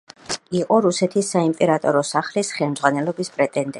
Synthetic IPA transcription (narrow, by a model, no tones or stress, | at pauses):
iqʼɔɾusɛt̪ʰisːaimpʼɛɾat̪ʼɔɾɔsaχlisχɛlmd̪zʁwanɛlɔbispʼɾɛt̪ʼɛnd̪ɛ